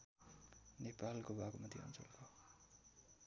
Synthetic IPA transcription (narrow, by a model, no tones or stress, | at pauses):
nepalkobakomat̪ʰjiʌ̰nt͡so̰lkʰo